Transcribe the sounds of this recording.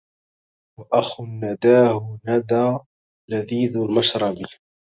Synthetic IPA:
waʔaxʊnːad̪aːhʊnad̪aː | laðiːðʊlmɑʃɾˤɑbi

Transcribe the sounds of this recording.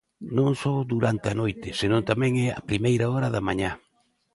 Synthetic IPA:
nõŋsɔðuɾant̪ɪanojt̪ɪsenõnt̪amɛ̃ŋɛɐ̰pɾimejɾaɔɾɐðamaɲa

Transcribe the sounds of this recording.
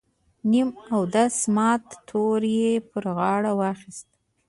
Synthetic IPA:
nimawd̪asmɑt̪ːʰoɾjepəɾɣɑɽawɑxist̪̚

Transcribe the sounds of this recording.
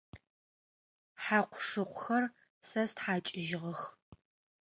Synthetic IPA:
ħaːqʷʰʂɨqʷʊxɐr | sɐstħaːt͡ʃʼɪʒɪʁɐx

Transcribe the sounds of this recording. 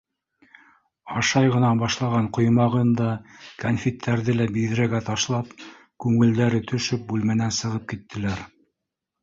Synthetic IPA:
ɑʃɑjʁɤ̆nɑbɑʃlˠɑʁɑɴqŏjmɑʁɤnd̪ɑkanfʲit̪ʰːæɾðɘlæbiðɘ̆ɾæɡæt̪ɑʃlˠɑp̚ | kʉŋɘ̆ld̪æɾɘt̪ʰɵ̆ʃɵp̚bʉlmænænsɤ̆ʁɤp̚kit̪ːɘ̆læɾ

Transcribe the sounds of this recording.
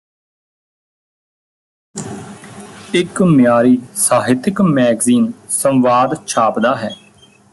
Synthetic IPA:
ɪkmɪjaːɾiːsaːɦɪt̪ɪkmɛːɡziːnsə̃mʋaːd̪t͡ʃʰaːpd̪aːɦɛː

